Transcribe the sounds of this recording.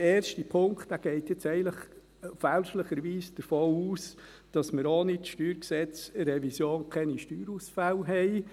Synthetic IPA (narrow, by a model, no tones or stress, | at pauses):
ɛːɾʃtipʰʊŋktd̥æɡ̥ɛɪtjɛt͡sɛɪɡnləχ | fælʃləχəɾʋiːsd̥əɾfoːuːs | d̥ɑsməɾoniʃtyːɾksɛt͡sɾɛvisjoːnkʰɛniʃtyːɾusfælɦɛɪ